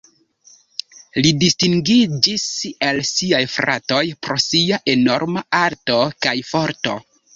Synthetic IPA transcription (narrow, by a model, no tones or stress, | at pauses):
lidistiŋɡid͡ʒisalsiajfɾa̰to̞jpɾo̞siaʔe̞no̞̰ɾmaaɾto̞kajfo̞ɾto̞̰